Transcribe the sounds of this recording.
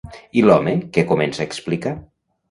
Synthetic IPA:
ilɔmekekomensaeksplika

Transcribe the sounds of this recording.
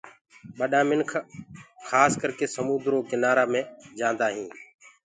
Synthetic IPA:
ɓəɗãːmɪnkʰxʰaːskəɾkeːsəmuːd̪ɾoːkɪnaːɾaːmẽːd͡ʒãːnd̪aːɦĩː

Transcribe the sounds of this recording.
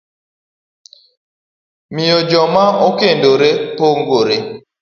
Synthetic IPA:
mɪjod͡ʒɔmaokendoɾepoŋɡoɾe

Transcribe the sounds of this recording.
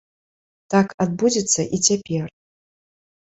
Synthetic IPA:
t̪akad̪̚bud͡zʲit̪sːɐʔit͡sʲapʲɛr

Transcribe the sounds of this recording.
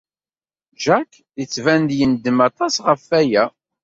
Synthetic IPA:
ʒæk | ðət͡sːvænd̪jənd̪əmɑt̪ˤɑsʁəfæjæ

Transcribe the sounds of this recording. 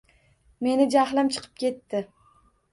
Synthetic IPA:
me̞nɪd͡ʒahlamt͡ʃʰɨ̥qʰɨ̥p̚kʲʰe̞t̪ːɪ

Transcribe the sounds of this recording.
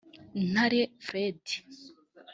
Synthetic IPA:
naɾefɾedi̥

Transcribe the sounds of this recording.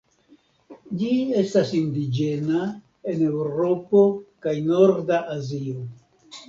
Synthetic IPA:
d͡ʒie̞stasindid͡ʒe̞na | e̞ne̞wɾo̞po̞kajno̞ɾdaʔazio̞

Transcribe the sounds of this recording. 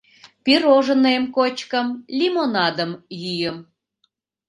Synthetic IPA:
piroʒə̆nemkot͡ɕkəmlʲimonɑd̪əmjyjəm

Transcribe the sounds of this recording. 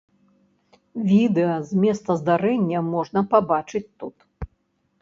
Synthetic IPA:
vʲid̪ɛɐzʲmʲɛst̪ɐzd̪aɾɛnʲːɐmɔʐnɐpabat͡ʂɨt͡sʲt̪ut̪

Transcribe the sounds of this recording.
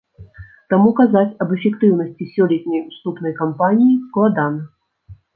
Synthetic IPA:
t̪amukazat͡sʲɐbɛfʲɛkt̪ɨwn̪ɐsʲt͡sʲisʲɔlʲɛt̪̚ʲnʲɐjust̪upn̪ɐjkampanʲijisklˠad̪anɐ

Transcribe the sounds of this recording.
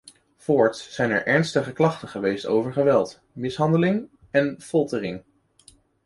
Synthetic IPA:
foːɹtsɛjnɛ̰ɹʔɛɹnstəχəklɑχtəχəʋejsto̰wvəɹχəʋɛlˠt | mɪsɦɑndəlɪŋ | ɛnfɔlˠtərɪŋ

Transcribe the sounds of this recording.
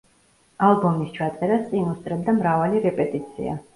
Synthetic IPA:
alˠbɔmist͡ʃʰat̪sʼɛɾast̪sʼinust̪ʼɾɛd̪amɾavaliɾɛpʼɛt̪ʼit̪sʰḭa̰

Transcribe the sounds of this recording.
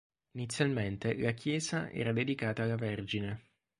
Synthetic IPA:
init̪sːjalment̪elakʰjɛːzaɛ̰ːɾad̪ed̪ikaːt̪aːlːaverd͡ʒine

